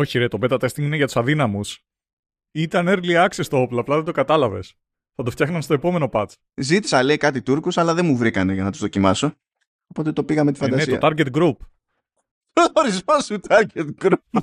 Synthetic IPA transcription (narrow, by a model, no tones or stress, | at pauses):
o̞çiɾet̪o̞be̞t̪ɐt̪est̪iŋɡineʝɐt̪u̥sɐðinɐmus | it̪ɐneɾliɐksest̪oo̞ploɐplɐðed̪okɐt̪ɐlɐve̞̰s | θɐt̪o̞ft̪çɐxnɐmst̪o̞e̞po̞me̞no̞pɐt͡s | zit̪i̥sɐle̞ikɐt̪it̪uɾkusɐlɐðe̞muvɾikɐne̞ʝɐnɐt̪uzðo̞cimɐso̞ | opo̞t̪et̪o̞piɣɐmet̪ifɐnd̪ɐnesit̪oɐ̰t̪ɐɾɡet̪ɡɾup | oɾizmɐsut̪ɐɾʝet̪ɡɾup